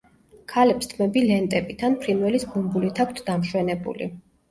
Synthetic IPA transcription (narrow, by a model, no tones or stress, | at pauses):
kʰalɛpst̪ʰmɛbilɛnt̪ʼɛbit̪ʰanpʰɾinwɛlisɡumbulit̪ʰak̚ʷʰt̪ʰd̪amʃwɛnɛbṵlḭ